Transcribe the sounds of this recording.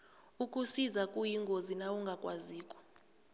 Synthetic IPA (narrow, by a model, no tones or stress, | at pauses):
ukʼusizakʼujiŋɡʱozinawuŋɡʱakʼwaziːkʼɔ̥